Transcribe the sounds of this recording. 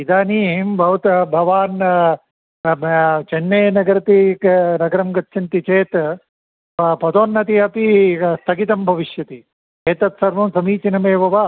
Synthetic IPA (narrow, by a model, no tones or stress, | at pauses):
id̪aːniːmbʱɐʋɐt̪bʱɐʋaːn | t͡ʃenːeːnɐɡɐɾɐt̪inɐɡɐɾɐmɡɐt̪ʃint̪it͡ʃeːt̪ | pɐd̪oːnːɐt̪iɐpist̪ʰɐkit̪ɐmbʱɐʋiʃjɐt̪i | eːt̪ɐt̪sɐɾʋɐmsɐmiːt͡ʃinɐmeːʋɐʋa